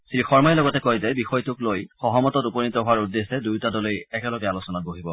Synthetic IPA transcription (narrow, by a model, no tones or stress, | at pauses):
siixɔɹmajlɔɡɔtɛkojzɛbixɔjtʊklojxɔɦɔmɔtɔtupɔnitɔɦʊwaɹudːesɛdujtadɔlojɛkɛlɔɡɛalosɔnat̚boɦibɔ